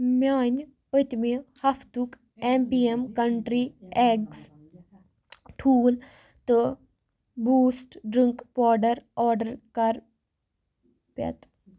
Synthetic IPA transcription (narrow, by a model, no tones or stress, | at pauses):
mʲaːnʲ | pət̪mihɐfʰt̪uk | empiemkɐɳʈɾieɡs | ʈʰuːl | t̪ɨ | buːsʈɖɾiŋkpoːɖɐɾɔːɾɖəɾkɐɾ | pɐ̰t̪